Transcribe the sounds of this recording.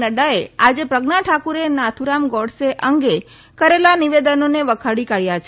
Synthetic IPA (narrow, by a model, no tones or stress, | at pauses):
nəɖaead͡ʒepɾəɡnaʈʰakuɾenat̪ʰuɾamɡɔɽseʔəŋɡe | kəɾelaniʋed̪ənoneʋəkʰaɽikaɭjat͡ʃʰe